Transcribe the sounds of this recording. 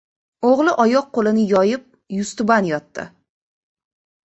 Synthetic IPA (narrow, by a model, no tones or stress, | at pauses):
oʁlˠɪʔɒjɒq̚qolɪnɪjɒjɪp̚ | jʊst̪ʊbanjɒt̪ːɪ̰